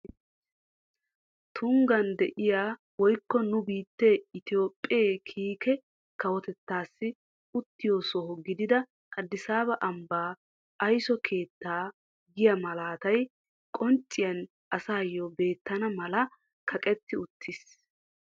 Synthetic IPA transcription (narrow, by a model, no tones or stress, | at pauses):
t̪ʰʊŋɡɐnd̪ɛʔɪjaː | wɔjkːɔnʊbiːt̪ːeːɪt̪ɪjo̞ːpʼːeːkʰiːkɛ | kɐwɔt̪ɛt̪ːaːsːɪ | ʊt̪ːɪjoːsɔhɔɡɪd̪ɪd̪ɐ | kɐd̪ːɪsaːbɐʔɐmbaː | ɐjsɔkʰe̞ːt̪ːaː | ɡɪjɐmɐlaːt̪ɐj | kʼɔnt͡ʃʼːɪjɐn | ʔɐsaːjːɔbe̞ːt̪ːɐnɐmɐlɐ | kʰɐkʼɛt̪ːɪʊt̪ʰːɪs